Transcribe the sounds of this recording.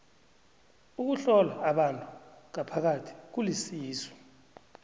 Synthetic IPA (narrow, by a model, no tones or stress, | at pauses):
uk̬uɬɔlaaɓantʼukapʰak̬atʰi̥k̬ulisiːsɔ̥